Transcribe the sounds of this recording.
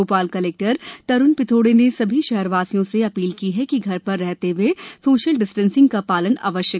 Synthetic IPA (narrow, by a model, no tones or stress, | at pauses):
oːpaːlkɐleːk̚ʈəɾt̪ɐɾʊnpɪt̪ʰoːɽenesɐbʱiʃɛɦɛɾʋaːsijõseɐpiːlkiɦɛkiɡʱɐɾpɐɾːɛɦt̪eʋwesoːʃəlɖɪsʈə̃nsɪ̃ŋɡkapaːləna̰ːʋəʃjə